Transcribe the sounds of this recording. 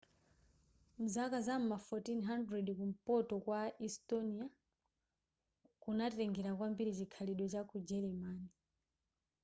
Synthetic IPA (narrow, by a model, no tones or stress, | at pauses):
m̩zakazam̩mafɔtinɦandɾɛdkum̩pɔtɔkwaistɔnia | kunatɛŋɡɛɾakwambiɾit͡ʃikʰaliɗɔt͡ʃakud͡ʒɛɾɛmaːni